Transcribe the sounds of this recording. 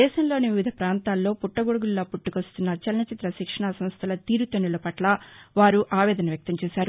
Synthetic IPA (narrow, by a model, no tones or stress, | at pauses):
ɛːʃɐmlo̞ːniʋiʋid̪ʱɐpɾaːnt̪aːlːo̞ːpuʈːɐɡoɽuɡulːoːpuʈːukɐst̪unːɐt͡ʃɐlnɐt͡ʃit̪ɾɐʃikʂɐɳasɐmst̪ʰɐlɐt̪iːɾut̪ɐnːulɐpɐʈlɐʋaːɾuʔaːʋɛːd̪ɐnɐʋjɐk̚t̪ɐmt͡ʃɛːʃaːɾu